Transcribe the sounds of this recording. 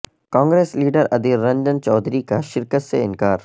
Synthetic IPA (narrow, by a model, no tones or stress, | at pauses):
kãːŋɡɾeːsliːɖəɾɐd̪iːɾːɐ̃nd̪ənt͡ʃɔːd̪ɾikaʃɪɾkət̪seɪ̃nkaːɾ